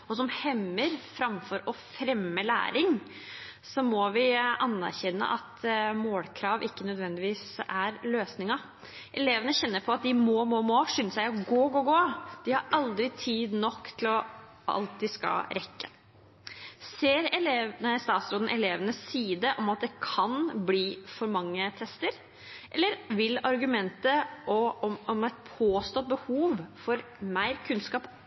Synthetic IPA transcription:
ɔsɔmhɛmːəɾfɾɑmfɔɾɔfɾɛmːəlæ̰ːɾɪŋ | sɔmɔʋɪɑnːæ̰ɾçɛnːə̰ʔɑt̪moːlkʰɾɑːʋɪkːənœd̪ʋɛnd̪ɪʋiːsæɾløːsnɪŋɑ | ʔɛleːʋənəçɛnːəɾpʰɔɑt̪̚d̪ɪmoːmoːmoːʂyːnəsæɪɔɡoːɡoːɡoːd̪̥ɪhɑɾɑld̪ɾɪt̪ʰiːd̪nɔkːt̪ʰɪlɔ | ʔɑ̰lt̪ːɪskɑ̰ɾɛkːə̥ | seːɾɛleːʋnəst̪ɑːt̪sɾoːd̪n̩ʔɛleːʋənəsːiːd̪əʔɔmɑt̪̚d̪ɛkʰɑnbliːfɔɾmɑŋːət̪ʰɛst̪əɾ | ʔɛlːəɾʋɪlɑɾɡʉmɛnt̪əʔɔɔɔmæt̪̚pʰoːst̪oːt̪̚bəhuːʋfɔɾ | mæɪɾkʰʉnskɑːp

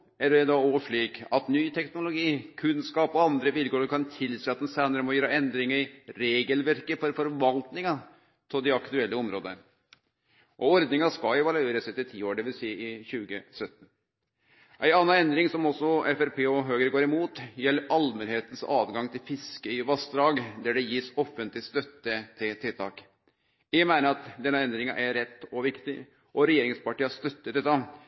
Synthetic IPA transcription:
æɖɛd̪ɑoʋʂliːkɑt̪nyːt̪ʰɛknʊlʊɡiːkʰʉnskɑːpɔɑnd̪ɾəʋɪlkʰoːɾəɾkʰɑnt̪ʰɪlseːɑt̪ːɛnsænəɾəmɔjøːɾəɛnd̪ɾɪŋəɾɪɾeːɡəlʋæɾkəfɔɾfɔɾʋɑlt̪nɪŋɑ | t̪ʰɪld̪ɪɑkt̪ʉɛlːəɔmɾo̰ːd̪ənə | ʔɔɔɾd̪nɪŋɑskɑɛʋɑlʉeːɾəsɛt̪ːɪt̪ʰiːoːɖɛʋɪlsiːɪçʉːɡəsœt̪ːn̩ | ʔæɪɑːnːɑnɛnd̪ɾɪŋsɔmɔsːɔɛfæɾpʰeːɔɦøːɡəɾəɡoːɾɪmuːt̪jɛlːəɾʔɑlmənheːt̪ən̩sɑːʋɡɑŋt̪ʰɪlfɪskəɪʋɑst̪d̪ɾɑːɡd̪æɖɛjiːsɔfːənt̪lɪst̪œt̪ːət̪ʰɪlt̪ʰɪlt̪ʰɑːk | jɛmæɪnəɾɑt̪d̪ɛnːɑɛnd̪ɾɪŋɑ̰ʔæɾɛt̪ːɔʋɪkt̪ɪ̰ | ʔɔɾɛjeːɾɪŋspɑʈiːɑst̪œt̪ːət̪ɛt̪ːɑ

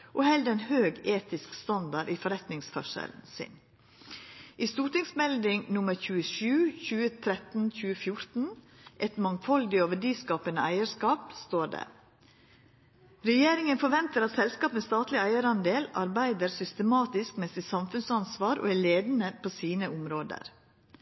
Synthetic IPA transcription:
ʔɔhɛld̪əɾæɪnhøːɡeːt̪ɪskst̪ɑnd̪ɑɖifɔɾɛt̪nɪŋsfɔ̰ʂə̰ln̩sɪ̰n | ʔɪst̪uːʈɪŋsmɛld̪ɪŋnʊməɾçʉːəʃʉːçʉːət̪ʰɾɛt̪n̩c͡çʉːəfjʊɾt̪n̩ | ʔɛt̪mɑŋfɔlɡ̪ɪoʋəɖiːskɑːpənəæɪəɾskɑːpst̪oːɖɛ̰ | ɾɛjeːɾɪŋənfɔɾʋɛnt̪əɾɑt̪sɛlskɑːpmɛst̪ɑːt̪lɪæɪəɾɑnd̪eːlɑɾbæɪd̪əɾsʏst̪əmɑːt̪ɪskmɛst̪ɪsɑmfʉnsɑnsʋɑːɾʔo̰ːæɭeːd̪ənəpʰoːsiːnəʊmɾoːd̪ə̰ɾ

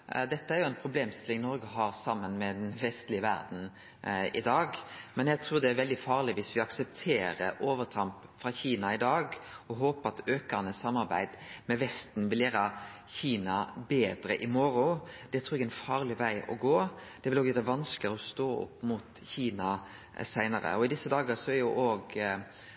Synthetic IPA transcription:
d̪ɛt̪ːəæɾjʊæɪnpʰɾʊbleːmst̪ɪlɪŋnɔɾɡəɦɑɾsɑmːənmɛd̪ɛnʋɛst̪lɪəʋæ̰ɾd̪n̩ | ɪ̰d̪ɑːɡmɛnjæɡt̪ʰɾuːɾd̪ɛæɾʋɛld̪ɪfɑːʁlɪʋɪsʋɪɑksəpt̪ʰeːɾəʔoːʋəɾt̪ʰɾɑmpfɾɑçiːnɑɪd̪ɑːɡɔɦoːpəɑt̪øːkənəsɑmːɑɾbæ̰ɪd̪mɛʋɛst̪n̩ʋɪljæːɾɑ | çiːnɑbeːd̪ɾəʔɪmɔɾʊd̪̥ɛt̪ʰɾuːɾɛɡæɛnfɑːʁlɪʋæɪʔɔ̰ɡoːd̪̥ɛʋɪloːɡʋæːɾæʋɑnsklɪɔst̪oːʊ̰pːmʊt̪çiːnɑ | sæɪnəɾə̰ɔɪd̪ɪsːəd̪ɑːɡəsɔæɾjʊʔoːɡ

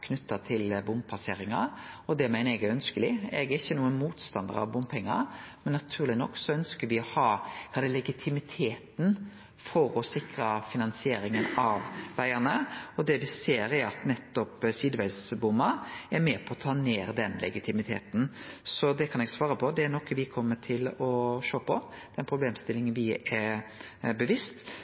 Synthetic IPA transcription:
kʰnʉt̪ːɑt̪ʰɪlbʊmpʰɑseːɾɪŋɑɔd̪ɛæmæɪnɛɡœnskəlɪɛɡɛɾɪçːənuːənmuːt̪st̪ɑnd̪ə̰ɾɑ̰ʋbʊmpʰɛŋːɑ̰mɛnːɑt̪ʰʉːɾlɪnɔkːsɔœnskəɾʋɪɔhɑːkʰɑːd̪ɛːlɛɡɪt̪ʰɪmɪt̪ʰeːt̪n | fɔɾɔsɪkɾɑfɪnɑnsɪeːɾɪŋənɑʋʋæɪənəɔd̪ɛʋɪseːɾɛɾɑt̪nɛt̪ːɔpsiːd̪əʋæɪsbʊmːəɛɾmeːpʰɔɔt̪ʰɑːneːɾd̪ɛnlɛ̰ɡɪt̪ʰɪmɪt̪ʰḛːt̪n̩sɔd̪ɛkʰɑnɛɡsʋɑːɾəpʰɔd̪ɛæɾnɔkːəʋɪkʰɔmːəʈʰɪlɔʃøːpʰɔd̪̥ɛnpʰɾʊbleːmst̪ɪlɪŋənʋɪæɾbəʋɪst̪

